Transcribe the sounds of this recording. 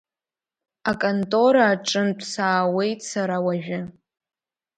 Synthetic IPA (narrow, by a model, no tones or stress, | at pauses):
akʼontʼo̞ɾaːʈ͡ʂʼɨndʷʰʼsaːwe̞jtʼsaɾawaʒᶣɪ